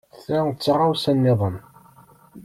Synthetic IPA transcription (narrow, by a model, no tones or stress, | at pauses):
θæt͡sːrˤawsænːɪðˤən